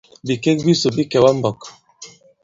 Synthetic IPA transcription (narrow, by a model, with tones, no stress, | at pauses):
bi˨ke˦k̚bi˦so˨bi˦kɛ˨wa˦m̩˦bɔ˨k